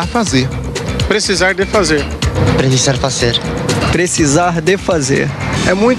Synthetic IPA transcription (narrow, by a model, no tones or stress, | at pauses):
afazeɾ | pɾesizaɾd̪ɪfazeɾ | pɾesizaɾfazeɾpɾesizaɾd̪efazḛɾɛmũj̃t